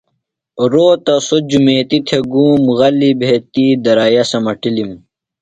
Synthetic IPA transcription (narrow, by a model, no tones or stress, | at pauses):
ɾoːt̪ɐsod͡ʑumeːt̪it̪ʰeɡuːmɣɐlibʱeːt̪id̪ɐɾaːjɐsɐmɐʈilim